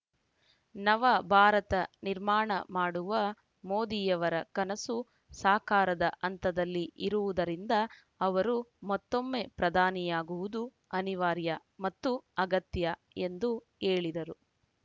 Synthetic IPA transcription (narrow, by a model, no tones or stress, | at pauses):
nɐʋɐbʱaːɾɐt̪ɐniɾmaːɳɐ̰maːɽuʋɐ | moːd̪iːjɐʋɐɾɐkɐnɐsu | saːkaːɾɐd̪ɐʔɐnt̪ɐd̪ɐlːiʔiɾuʋud̪ɐɾind̪ɐ | ɐʋɐɾumɐt̪ːo̞mːeːpɾɐd̪ʱaːnijaːɡuʋud̪u | ɐniʋaːɾjɐ | mɐt̪ːuɐɡɐt̪jɐ | e̞nd̪u | eːɭid̪ɐɾu